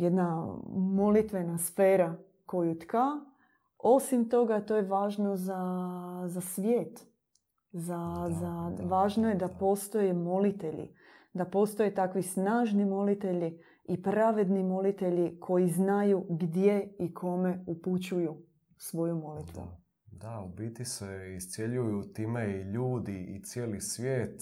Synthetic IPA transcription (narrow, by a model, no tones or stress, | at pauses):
jed̪namo̞lit̪ʋenasfe̞ːɾa | ko̞jut̪ka | o̞simt̪o̞ɡat̪o̞jeʋaːʒno̞zazasʋjeːt̪ | zazaʋaːʒnojed̪apo̞ːst̪o̞jemo̞lit̪eʎḭ | d̪apo̞ːst̪o̞jet̪akʋisnaːʒnimo̞lit̪e̞ʎi | ipɾaʋe̞d̪nimo̞lit̪e̞ʎikʰo̞jiznajuɡd̪je̞ikʰo̞me̞uput͡ɕuju | sʋo̞jumo̞lit̪ʋṵ | d̪aubiːt̪iseist̪sjeʎujut̪iːmeiʎuːd̪iḭt̪sjeːlisʋʲjeːt̪